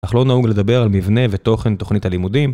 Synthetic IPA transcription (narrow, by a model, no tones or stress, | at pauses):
aχlo̞nauɡle̞d̪abe̞ʁalmivne̞vet̪o̞χe̞nt̪o̞χnitalimudim